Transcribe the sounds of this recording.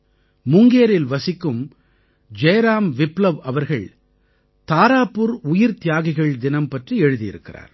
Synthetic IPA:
mʊŋɡeːɾɪlʋɐsɪkːɯm | d͡ʒɛːɾaːmʋɪplɐʋɐʋɐɾɣɐɭ | t̪aːɾaːpːɯɾʊjɪɾt̪ɪjaːɣɪɣɐɭd̪ɪnɐmpɐʈriɛɻɯðɪjɪ̰ɾɯkːɪra̰ːɾ

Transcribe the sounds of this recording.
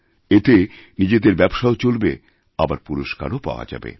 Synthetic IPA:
et̪enid͡ʑed̪eɾbɛbʃaot͡ɕolbe | abaɾpuɾoʃka̰ɾopa̰oa̰d͡ʑa̰bḛ

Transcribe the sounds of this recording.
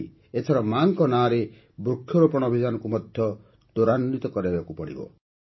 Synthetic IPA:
et̪ʰɔɾɔmaŋkɔnaːɾe | bɾukʰːjɔɾopɔɽ̃ɔbʱid̪anɔkumɔd̪ʱjɔ | d̪̥oɾanːit̪ɔkɔɾibbakupɔɽḭbɔ̰

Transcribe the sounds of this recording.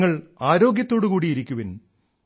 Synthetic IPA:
ŋːɐɭaːɾo̞ːɡjɐt̪ːo̞ːɽukuːɽijiɾikʲːuʋin

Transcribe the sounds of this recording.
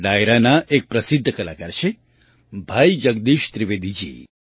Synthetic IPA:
ɖajɾanaʔek̚pɾəsɪd̪ʱːəkəlakaɾʃʰe | bʱajd͡ʒəɡd̪iʃt̪ɾiʋed̪id͡ʒḭ

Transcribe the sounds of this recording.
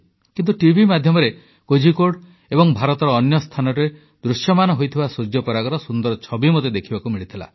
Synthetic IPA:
kint̪uʈibʱimad̪ʱjɔmɔɾe | kod͡ʒʱikoɽ | ebɔŋbʱaɾɔt̪ɔɾɔːnjɔst̪ʰanɔɾe | d̪ɾusjɔmanɔɦojt̪ʰibasud͡ʒjɔpɔɾaɡɔɾɔsund̪ɔɾɔt͡ʃʰɔbimot̪ed̪ekʰibakumiɭit̪ʰila̰

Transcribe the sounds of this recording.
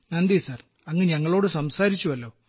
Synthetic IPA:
nɐnd̪ijsaːr | ɐŋːeɲɐŋːɐɭo̞ːɽɨsɐmsaːɾit͡ɕːuʋɐlːo̞ː

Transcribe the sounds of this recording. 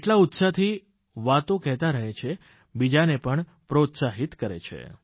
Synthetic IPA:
eʈlaut̪sat̪ʰi | ʋat̪õkɛɦt̪aɾəɦet͡ʃʰe | bid͡ʒanepəɳ | pɾot̪saɦit̪kəɾḛt͡ʃʰḛ

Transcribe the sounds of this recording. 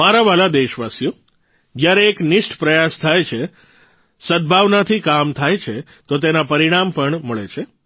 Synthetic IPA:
maɾaʋalad̪eʃʋasjo | d͡ʒjaɾeːknɪʂʈʰpɾəjast̪ʰajt͡ʃʰe | səd̪̚bʱaʋnat̪ʰikamt̪ʰajt͡ʃʰe | t̪ot̪̬enapəɾiɽ̃ampəɳməɭet͡ʃʰe

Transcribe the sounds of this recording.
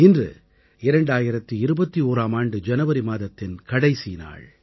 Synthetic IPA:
ɪndrɯ̰ | ɪɾɐɳɖaːjɪɾɐt̪ːɯɪɾɯbɐt̪ːioːɾaːmaːɳɖɯd͡ʒɛnɐʋɐɾimaːðɐt̪ːɪnkɐɽɐɪsina̰ːɭ

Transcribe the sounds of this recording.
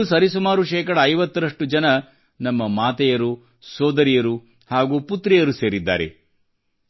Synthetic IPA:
sɐɾisumaːɾuʃɛːkɐɽɐːjʋɐt̪ːɐɾɐʂʈud͡ʒɐnɐ | nɐmːɐmaːt̪ɛjɐɾu | sɔːd̪ɐɾijɐɾu | haːɡuːput̪ɾɛjɐɾuseːɾid̪ːa̰ːɾḛ

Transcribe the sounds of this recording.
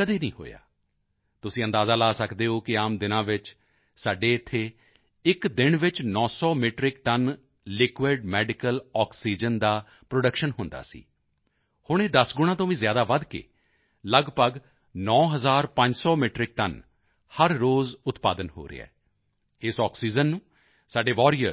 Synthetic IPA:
kəd̪eːnĩːɦo̰ːja̰ː | t̪ʊsĩːə̃nd̪aːzaːlaːsəkd̪eːɦoːkɪaːmd̪ɪnãːʋɪt͡ʃ | saːɖeːɪt̪ʰːeː | ɪkd̪ɪnʋɪt͡ʃnɔ̃ːsɔːmeːʈɾɪk̚ʈən | lɪkʋeːɖmɛːɖɪkəlɔːksiːd͡ʒənd̪aː | pɾoɖəkʃənɦʊ̃nd̪a̰ːsḭː | hʊɳ̃eːd̪əsɡʊɽ̃ãːt̪õːʋĩːzjaːd̪aːʋəd̪kḛː | ləɡpəɡ | nɔ̃ːɦəzaːɾpə̃ɲd͡ʒsɔːmeːʈɾɪk̚ʈən | həɾːoːzʊt̪pa̰ːd̪ənɦo̰ːɾḛa̰ː | ɪsɔːksiːd͡ʒənːũː | saːɖeːʋɔːɾijəɾ

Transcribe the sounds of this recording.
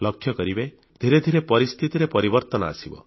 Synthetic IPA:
lɔkʰːjɔkɔɾibe | d̪ʱiɾed̪ʱiɾepɔɾist̪ʰit̪iɾepɔɾibɔɾt̪ɔnɔa̰sibɔ̰

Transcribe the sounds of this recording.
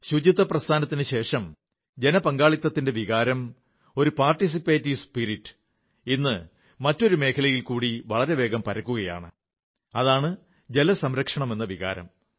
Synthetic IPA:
ɕud͡ʑit̪ːɐprɐst̪ʰaːnɐt̪ːinɨɕe̞ːʂɐm | d͡ʑe̞nɐpɐŋɡaːɭit̪ːɐt̪ːindeʋiɣaːɾɐm | o̞ɾupaːrʈis̬ipːeːtːispiɾiʈːɨ̥ | inːɨ | mɐtːo̞ɾume̞ːkʰɐlɐjilkuːɽiʋɐɭɐɾe̞ʋe̞ːɡɐmpɐɾɐkːuɣɐja̰ːɳɨ̰ | ɐðaːɳɨ | d͡ʑe̞lɐsɐmɾɐkʂɐɳɐme̞nːɐʋiɣa̰ːɾɐ̰m

